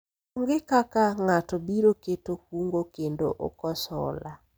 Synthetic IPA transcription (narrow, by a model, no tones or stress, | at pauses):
oŋɡɪkakaŋatɔbiɾoketohuŋɡokendo̰ʔo̰kɔsɔ̰la